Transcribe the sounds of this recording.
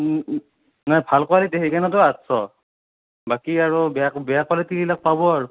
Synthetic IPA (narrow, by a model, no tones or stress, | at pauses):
najbʱalkɔaliteɦekanɔt̬ɔatsɔ | bakiaɹubɛabɛjakalɛtililak̚pabɔaɹʊ